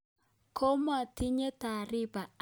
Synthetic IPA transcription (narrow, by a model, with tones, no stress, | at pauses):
kʰo˦m˦a˨ti˦ɲe˦ta˨ɾɪ˦ba˨